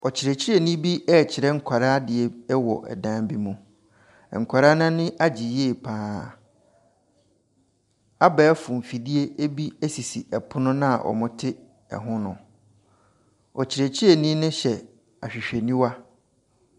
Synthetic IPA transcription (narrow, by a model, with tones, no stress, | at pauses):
ɔ˨t͡ɕʰɪ˨ɾɛ˨t͡ɕʰɪ˦ɾɛ˨nĩ˦bi˦ʔɛ˦˨t͡ɕʰɪ˨ɾɛ˦ŋ̩˦kʰa˨ɾaː˦dɪ˨ɛ˨ɛ˦wɔ̰˨ʔɛ̰˨dã˦mbi˦mũ˨ | ŋ̩˨kʷʰa˨ɾa˦nã˦nɪ̃˦ʔa˦d͡ʑi˨jeː˦˨pʰãː˦ | a˦bɛ˨˦fʊ̃˨m̩˨fi˨di˦e˦ʔe˦bi˦æ˦si˨si˨ʔɛ˨pʰʊ˦nʊ̃˦nã̰˦˨ʔɔ̰˨mʊ̃˦tʰɪ˦ | ɛ̰˨ɦʊ̃˦nʊ̃˨ | ɔ˨t͡ɕʰɪ˨ɾe˨t͡ɕʰɪ˦ɛ˨nĩ˦nʊ̃˦ɕɛ˨ | a̰˨ɕᶣi˨ɕᶣe˨nĩ˦wa˦